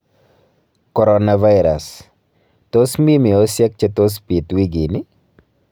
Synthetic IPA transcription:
ko˨ɾɔnava˦jɾa˨s | t̪o˦smi˦mi˨o˦sjɛ˦k̚t͡ʃe˦t̪o˦s̬pi˨t̪wi˦ɡɪ˨nɪ˦

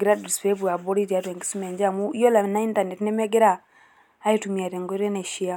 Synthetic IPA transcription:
ɡiɾadi˨sfe˦βu˨a˨boɾi˦ɾi˨a˨twɛ˨ŋɡisu˦mɛ˨ɲd͡ʒamu˦jɔ˦la˨na˦i˦ntane˨tinɛmɛ˦ɡi˦ɾaː˦ | itumia˨ɾe˨ŋɡɔɾe˦naʃi˦a˦

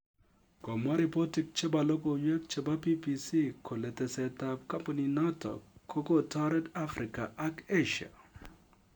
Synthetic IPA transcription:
kɔ˨ma˦ɾi˨pɔ˦ti˦k̚t͡ʃe˦ba˨lo˦ko˨ɲɛ˦k̚t͡ʃe˦ba˦pi˦pi˨si˦kʰo˨lɛ˨tɛ˨sɛ˨ta˨p̚ka˦mpa˨nina˦tɔ̰kʰːo˦ko˦tɔ˦ɾɛ˦da˦fɾi˨ka˨ʔa˦ke˦ʃa̰˨

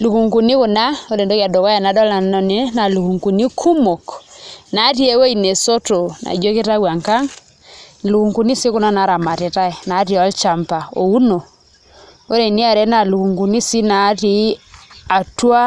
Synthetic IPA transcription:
lu˨ku˨ŋku˨ni˦kʊ˨na˦o˦ɾe˨ndo˦ɣja˨dɔ˨ka˦ja˨na˨˦dɔ˦la˨ne˨na˨lu˨ku˨ŋku˨ni˦kʰu˦mo˨kna˨˦ti˦e˦we˦i˨ne˨so˦to˨na̰˨d͡ʒo˦ke˦ta˦wa˨ŋka˦ŋ | lu˨ku˨ŋku˨ni˦si˦kʊ˦na˦na˨˦ɾa˨ma˨te˨ta˦e˨na˨˦ɾi˨ɔ˦lt͡ʃa˨mpa˨o̰˨u˦no˨ | o˦ɾe˨ni˦a˨ɾɛ˨˦na˨lu˨ku˨ŋku˨ni˦si˦na˨˦ti˦a˨twa˦

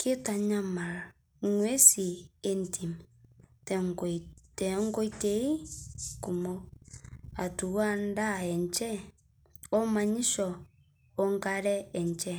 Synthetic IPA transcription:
kʰe˦ta˨ɲa˦ma˨ɾ | ŋwe˦si˨e˦ntʰi˨mtŋtɛ˨˦ŋɡo˦i˦te˨˦i˦ku˨mo˦ | a˨tu˨wa˦nda˦˨ɛ˨ɲt͡ʃɛ˦ | ɔ˦ma˨ɲi˦ʃɔ˨ | ɔ˦ŋɡa˦ɾɛ˦ɛ˨ɲt͡ʃɛ˦

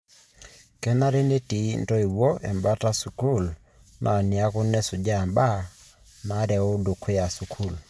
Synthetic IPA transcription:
kɛ˦na˦ɾe˦ne˦ti˨n˨tɔ˦i˨wɔ˦ɛ̰˨mba˦ta˦su˨ku˦˨l | nʔa˨ni˨a˦kʊ˦nɛ˦sʊ˨d͡ʒa˦ɛ˨mba˦ | na˨˦ɾɛ˨ʊ˦do˨kʰe˦a˨su˨kʰu˦˨l

